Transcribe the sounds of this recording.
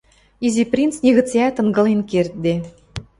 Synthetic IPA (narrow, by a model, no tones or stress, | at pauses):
izʲiprʲint͡snʲeɣɤ̆t͡sjæt̪ɤ̆ŋɡɤ̆lenkert̪̚d̪e